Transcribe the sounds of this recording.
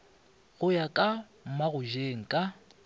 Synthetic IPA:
ɣʊjakʼa | m̩maɣʊʒeŋ̩kʼa

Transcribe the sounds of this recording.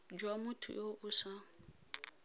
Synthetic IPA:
d͡ʒwamutʰṵjoʔusa

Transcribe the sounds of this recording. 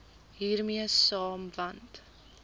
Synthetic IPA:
ɦiːrmiəsɑːmvɐnt

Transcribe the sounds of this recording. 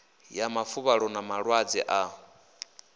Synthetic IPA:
jamafuβaɺɔnamaɺwad͡zɛ̰ʔa

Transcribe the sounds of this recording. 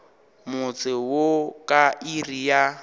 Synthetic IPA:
mʊt͡sʼɪwokʼairija

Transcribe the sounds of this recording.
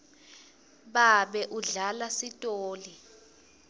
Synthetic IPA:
ɓaɓɛʔuɮalasitʼoːli

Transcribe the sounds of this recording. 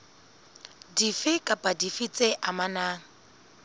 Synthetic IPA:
difɪkʼapʼadifit͡sʼeʔamanaːŋ̩

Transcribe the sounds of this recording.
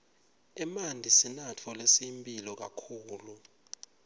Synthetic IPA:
ɛmandʱisinat͡fʰɔlesimpʼilɔk̬a̰kʰuːlu

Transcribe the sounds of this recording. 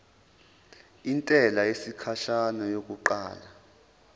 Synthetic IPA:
intʼɛlajesikʰaʃanɔjok̬ʼuǃa̰ːla

